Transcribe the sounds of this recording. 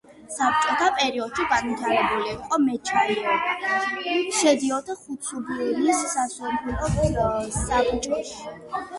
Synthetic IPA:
sap̚t͡ʃʼɔt̪ʰapʼɛɾiɔd̪̥ʃiɡanit̪ʰaɾɛbuliiqʼɔmɛt͡ʃʰanɔ | ʃɛd̪iɔd̪aχut̪sʰubulisːasumpɛlɔsabt͡ʃʼɔs

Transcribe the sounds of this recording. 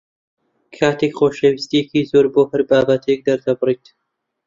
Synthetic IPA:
kʰaːt̪ekχoːʃɐwist̪ijekiːzoːɾboːhɨɾbaːbɐt̪ʰek̚d̪ɐɾd̪ɐbɨriːt̪

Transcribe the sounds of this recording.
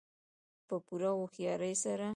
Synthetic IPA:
pəpuɾawoxjɑɾəjsaɾa

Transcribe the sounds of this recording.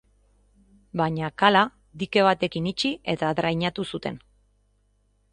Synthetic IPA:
baɲakala | d̪ike̞β̞at̪e̞kinit͡ʃie̞t̪aðɾajɲat̪usut̪e̞n

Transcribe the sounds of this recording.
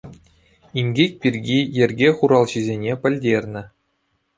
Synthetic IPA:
inʲɡʲikʲpʲirʲɡʲijɘ̆rʲɡʲeχuɾɑlˠʑizʲenʲepʲɘ̆lʲdʲerʲnʲɘ̆

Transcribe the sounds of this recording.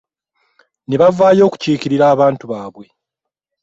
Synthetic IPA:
neβavaːjo̞ːku̥ciːciɾiɾaːβaːntuβaːβwe̞

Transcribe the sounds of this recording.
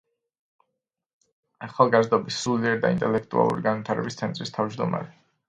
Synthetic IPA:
aχalˠɡazd̪ɔbisuliɛɾd̪aḭnt̪ʼɛlɛkʰt̪ʼua̰lˠṵɾiɡanvit̪ʰaɾɛbist̪sʰɛnt̪ʼɾist̪ʰavd͡ʒd̪ɔma̰ɾɛ

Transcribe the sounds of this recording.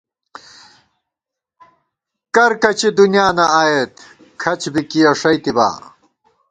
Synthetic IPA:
kɐɾkɐt͡ɕed̪unjaːnɐaːjet̪ | kʰɐt͡ɕbikiɐʂɐjt̪iba̰ː

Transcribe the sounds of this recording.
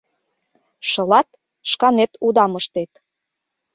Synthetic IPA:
ʃɤ̆lɑt̪ | ʃkɑnet̪ud̪ɑmɤʃt̪et̪

